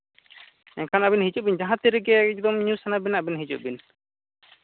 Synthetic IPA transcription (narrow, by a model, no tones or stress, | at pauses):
ɛkʰanabinɦid͡ʒuʔ̚bind͡ʒaɦãt̪ɛɾiɡɛɛd͡ʒ̚d̪ɔmɲusanabɛnaʔbinɦid͡ʒuʔ̚bin